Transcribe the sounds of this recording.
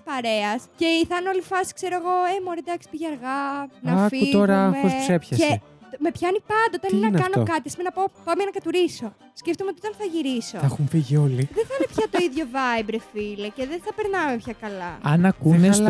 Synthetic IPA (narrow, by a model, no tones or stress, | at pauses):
spɐɾe̞ɐsce̞iθɐno̞lifɐsi̥kseɾoeɣo̞emoɾed̪ɐksi̥piʝɐɾɣɐnɐɐfiut̪oɾɐmessusepçɐssee | me̞pçɐnipɐnd̪ɐot̪ɐninɐnɐkɐɐnoo̰kɐt̪isimenɐpopɐmenɐkɐt̪uɾiso̞ | sceft̪omeotiot̪ɐnθɐʝiɾisoɐxuɱfiʝio̞liðeθɐnnepçɐt̪oiðʝo̞vɐjbɾefileceðeθɐpeɾnɐmepçɐkɐlɐɐnɐkunes